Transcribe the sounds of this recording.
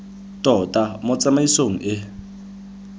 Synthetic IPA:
tʼɔtʼamʊt͡sʼamaisoŋ̩ʔɪ

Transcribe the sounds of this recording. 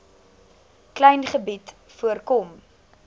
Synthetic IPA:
klɛjnχəbit | fuərkɔm

